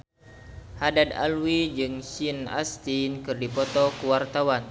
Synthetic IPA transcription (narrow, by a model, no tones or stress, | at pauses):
hadad̪a̰lwid͡ʒɨŋsina̰st̪inkɨrdipɔt̪ɔkuwart̪awan